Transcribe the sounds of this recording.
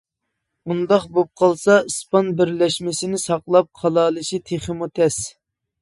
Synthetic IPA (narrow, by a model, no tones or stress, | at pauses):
und̪ɑχbop̚qʰɑlˠsɑɨspɑnbɪɾlɛʃmɪsɪnɪsɑqlˠɑp̚χʰɑlˠɑːlˠɨʃit̪ʰeχəmut̪ʰɛs